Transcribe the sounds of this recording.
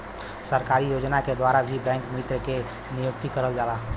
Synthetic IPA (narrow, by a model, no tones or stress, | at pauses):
səɾkaːɾijoːd͡ʒnaked̪waːɾabʱibɛ̃ːŋkmɪt̪ɾəke | nijʊk̚t̪ikəɾəld͡ʒaːlaː